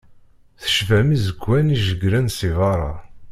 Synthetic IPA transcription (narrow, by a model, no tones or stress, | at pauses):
θə̥ʃvæmizəɡʷːæniʒəɡɾænsivɑɾˤɑ̰